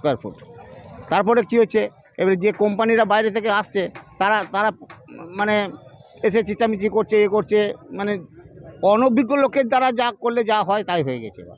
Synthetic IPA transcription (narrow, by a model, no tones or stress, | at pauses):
kaɾpʰṵʈt̪aɾp̬ɔɾekiɦotːɕʰe | ebad͡ʑekɔmpaniɾabajɾet̪ʰekeaʃt͡ɕʰet̪aɾat̪aɾamane | eʃ̬et͡ɕit͡ɕːamit͡ɕikoɾt͡ɕʰeekoɾt͡ɕʰemane | ɔnobiɡːolokeɾd̪aɾad͡ʑakoɾled͡ʑaaɦɔet̪ajɦoeɡɛ̰t͡ɕʰḛba̰